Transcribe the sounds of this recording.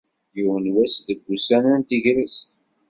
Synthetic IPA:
juwənwæsðəɡːusænənt̪iʝɾəst̪

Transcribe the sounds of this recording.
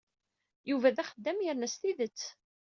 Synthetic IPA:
juvæðæχəd̪ːæmjəɾnæsθiðət͡sː

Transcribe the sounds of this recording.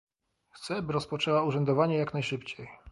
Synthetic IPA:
xt̪sɛbɘɾɔspɔt͡ʂɛwauʐɛnd̪ɔvaɲɛjaknajʂɘpt͡ɕej

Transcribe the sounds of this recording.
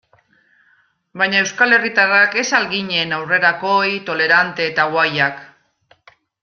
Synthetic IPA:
bajɲae̞wskale̞rit̪arake̞salɣiɲe̞nawre̞ɾako̞jt̪o̞le̞ɾant̪e̞ːt̪awajak

